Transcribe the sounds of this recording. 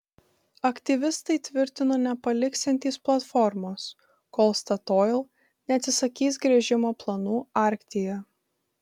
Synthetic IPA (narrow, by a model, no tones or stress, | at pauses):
ɐkt̪ʲiʋʲɪst̪ɐɪt̪ʲʋʲɪɾʲt̪ʲɪnoːnʲɛpɐlʲɪksʲɛnʲt̪ʲiːsplˠɐt̪fɔɾmoːs | koːlˠst̪ɐt̪oːlˠ | nʲɛɐt̪sʲɪsɐkʲiːsɡɾʲɛʒʲɪmoːplˠɐnuːɑˑɾʲkt̪ʲɪjɛ